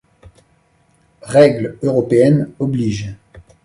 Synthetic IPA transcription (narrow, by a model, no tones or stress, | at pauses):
ʁɛɡløʁɔpeɛnɔbliʒ